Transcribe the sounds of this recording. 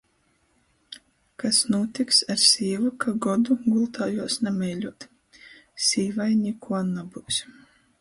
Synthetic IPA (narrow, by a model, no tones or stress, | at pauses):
kasnuːt̪iksaɾsʲiːvukʰaɡɔd̪uɡulˠt̪aːjuɔsnamʲɛjlʲuɔt̪ | sʲiːvajnʲikʰuɔnabuwsʲ